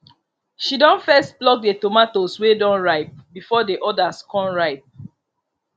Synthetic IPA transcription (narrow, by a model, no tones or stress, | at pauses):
ʃidɔ̃nfɛst̚blɔk̚detomatoswedɔ̃nɹaɪp̚bifɔdeʔɔdaskɔ̃nɹaɪp̚